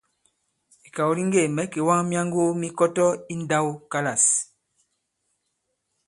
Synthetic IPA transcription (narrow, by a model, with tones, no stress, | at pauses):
i˨ka˨wɾi˦ŋɡe˦˨mɛ˨˦ke˨wa˦ŋmja˦ŋɡo˦mi˦kɔ˦tɔ˦i˦n˦da˦wka˦la˨s